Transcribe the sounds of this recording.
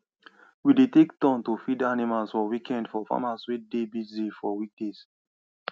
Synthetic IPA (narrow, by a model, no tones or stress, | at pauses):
widetektɔ̃ntofidanimalsfɔwikʰɛ̃ndfɔfa̰maswidebizifɔwik̚des